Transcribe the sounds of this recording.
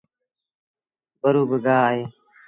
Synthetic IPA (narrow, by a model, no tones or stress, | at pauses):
bəɾuːbəɡaːɦeː